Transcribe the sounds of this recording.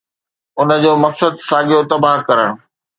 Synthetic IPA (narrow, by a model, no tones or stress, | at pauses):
ʊnə̆d͡ʑoːmɐksəd̪saːɡijot̪ɐbaɦkɐɾəɽ̃ʊ̃